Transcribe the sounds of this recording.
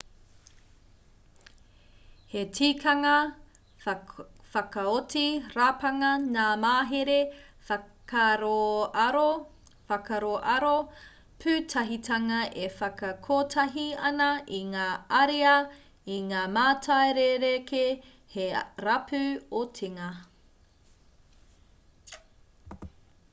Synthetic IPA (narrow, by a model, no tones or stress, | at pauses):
hetʰiːkʰɐŋɐ | fɐkɐotiɾapɐŋɐnaːmaːɦeɾe | kɐɾoɾo | fɐkɐɾoʔɐɾo | pʰʉtʰɐɦitʰɐŋɐʔefɐkɐkʰoːtʰɐɦiɐnɐʔiŋaːɐɾiɐ | iŋaːmaːtʰɐeɾeɾeke | heɾɐpʰʉotʰiŋɐ